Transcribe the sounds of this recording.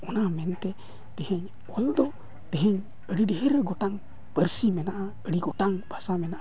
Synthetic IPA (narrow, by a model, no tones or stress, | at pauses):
ɔnamɛnt̪ɛ | t̪ɛhɛɲ | ɔld̪ɔ | t̪ɛɦɛɲ | əɽiɖɛɦɛɾɛɡɔʈaŋ | pəɾsimɛnaʔa | əɽiɡɔʈaŋbʱasamɛnaʔa